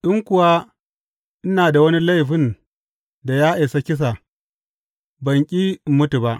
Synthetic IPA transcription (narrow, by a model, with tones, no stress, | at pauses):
ɗʊ˦ŋkʷʊ˨waː˦ | ʔɪ˦naː˨da˨wɐ˦ni˦la˦jɸɪ˦n | da˨jaː˦ʔe˨sa˦kʲɪ˦s̬a˨ | bɐ˨ŋkʲʼiː˦mʊ˦tu˨ba˦ʔ